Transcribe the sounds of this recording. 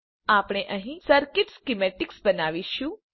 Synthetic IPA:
aːpɽ̃eʔəɦĩsəɾkɪʈskimeʈɪksbənaʋiʃjũ

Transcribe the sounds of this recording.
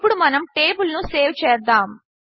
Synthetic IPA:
puɽumɐnɐmʈe̞ːbulnuse̞ːʋt͡ʃɛːd̪aːm

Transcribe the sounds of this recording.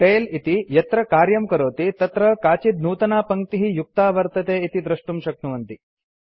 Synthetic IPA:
ʈeːlit̪ijɐt̪ɾɐkaːɾjɐmkɐɾoːt̪it̪ɐt̪ɾɐkaːt͡ʃid̪̚nuːt̪ɐnaːpɐŋk̚t̪iɦijuk̚t̪aːʋɐɾt̪ɐt̪eːit̪id̪ɾɐʂʈumʃɐk̚nuʋɐnt̪i

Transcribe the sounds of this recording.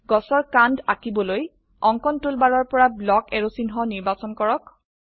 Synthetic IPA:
ɡɔsɔɹkandakibɔloj | ɔŋkɔntulbaɹɔɹpɔɹablɔkɛɹosinɦɔniɹbasɔnkɔɹɔk

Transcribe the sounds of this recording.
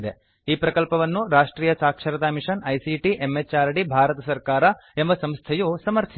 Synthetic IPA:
d̪e | iːpɾɐkɐlpɐʋɐnːuɾaːʂʈɾiːjɐsaːkʂɐɾɐd̪aːmiʂɐnɐjsiʈiʔemːet͡ʃːaːɾɐɽibʱaːɾɐt̪ɐsɐɾkaːɾɐ | embɐsɐmst̪ʰɐjusɐmɐɾt̪ʰi

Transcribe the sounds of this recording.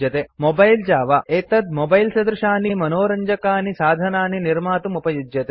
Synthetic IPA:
jɐt̪emobɐjld͡ʒaːʋɐʔeːt̪ɐd̪̚mobɐjlsɐd̪ɾuʃaːnimɐnoːɾɐɲd͡ʒɐkaːnisaːd̪ʱɐnaːniniɾmaːt̪umupɐjud͡ʒ̪jɐt̪e

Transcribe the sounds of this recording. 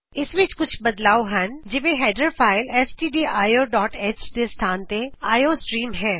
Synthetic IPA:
ɪsʋɪt͡ʃkʊt͡ʃʰbɐd̪laːoɦɐnd͡ʒɪʋẽɦɛːɖəɾfaːɪlɛsʈiːɖiːʔaːjoːɖɔːʈeːt͡ʃt̪est̪ʰaːnt̪eaːjoːsʈɾiːmɦɛː

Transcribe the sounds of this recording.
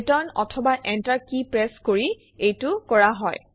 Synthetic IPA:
tɔnɔ̰tʰɔbaʔɛntaɹkipɹɛskoɹi | ejtʊkɔɹaɦɔj

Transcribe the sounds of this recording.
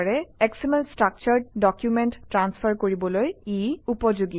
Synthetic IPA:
ɹɛɛksimenstɹak̚t͡ʃaɹɖɔkjumɛntːɹanspʰaɹkoɹibɔlojiupɔd͡ʒuɡi

